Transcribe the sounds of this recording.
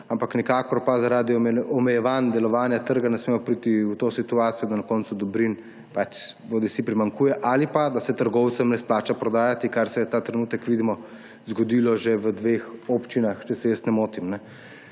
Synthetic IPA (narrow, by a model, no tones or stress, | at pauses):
ampaknikaːkɔɾpazaɾaːd̪iɔmɛjɛʋand̪ɛlɔʋaːnjat̪əɾɡanɛsmemɔpɾit̪iwt̪osit̪uaːt̪sijɔd̪anakɔːnt̪sud̪ɔbɾin | pat͡ʃboːd̪isipɾimaŋkuːjɛʔalipad̪asɛt̪əɾɡɔwt̪səmnɛsplaːt͡ʃapɾɔd̪aːjat̪ikaɾsɛjɛt̪aːt̪ɾɛnuːt̪əkʋid̪imɔ | zɡɔd̪iːlɔʒeʋəd̪ʋexoːpt͡ʃinaxt͡ʃɛsɛjəst̪nɛmoːt̪imnɛ